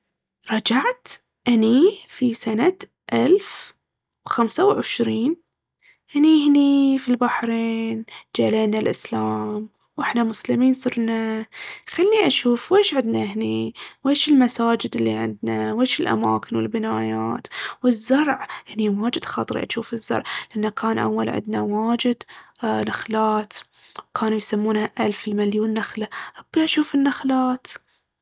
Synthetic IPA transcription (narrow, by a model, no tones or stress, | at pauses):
ɾˤɑd͡ʒaʕt̪ | ʔanifisanat̪ | ʔalf | wxamsawʕɪʃɾiːn | hɪnihɪnifilbaħɾeːnd͡ʒaːleːnalʔɪslaːm | wʔɪħnamʊslɪmiːnsˤɨɾnaxalːiʔaʃuːfweːʃʕɪd̪naɦɪniweːʃɪlmasaːd͡ʒɪd̪ɪlːiʕɪ̰nd̪naweːʃɪlʔa̰ma̰ːkɪnwɪ̰lbɪnaːjaːt̪wɪzːɑɾˤʕʔniwaːd͡ʒɪd̪xɑ̰t̪ˤɾḭʔa̰ʃuːfɪzːɑ̰ɾˤʕlɪʔanːakʰaːnʔa̰wːa̰lʕɪ̰nd̪̚nawaːd͡ʒɪd̪naxlaːt̪ | wkʰaːnujsamːuːnhaʔalfɪlmaljuːnːaxlaʔabːiʔaʃuːfɪnːaxlaːt̪